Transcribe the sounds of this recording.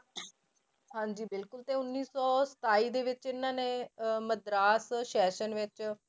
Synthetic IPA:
ɦãːɲd͡ʒiːbɪlkʊlt̪eːʊnːiːsɔːsə̥t̪aːiːd̪eːʋɪt͡ʃɪnːãːneːməd̪ɾaːsʃɛːʃənʋɪt͡ʃ

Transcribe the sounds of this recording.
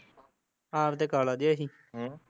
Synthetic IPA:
ãːɾt̪eːkaːlaːd̪ɪjaːɦiː | ɦ

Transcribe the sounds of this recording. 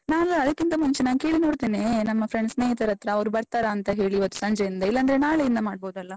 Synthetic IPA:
naːlːaːd̪ɐkːint̪ɐmunt͡ʃenaːnkeːɭinoːɽt̪iːneːnɐmːɐfɾeɳɖsneːjt̪ɐɾɐt̪ɾɐːɐʋɾubɐɾt̪aːɾɐːnt̪ɐɦe̞ːɭiːʋɐt̪ːu̥sɐɲd͡ʒɛjind̪ɐilːɐːnd̪ɐɾenaːɭejind̪ɐmaːɖ̚boːd̪ɐlːɐ

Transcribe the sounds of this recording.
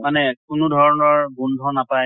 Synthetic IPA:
manɛkʊnʊdʱɔɹɔnɔɹɡundʱɔnapaj

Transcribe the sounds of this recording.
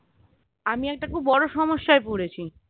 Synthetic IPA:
amiɛk̚ʈakubːɔɽoʃɔmoʃːaepoɽet͡ɕʰi

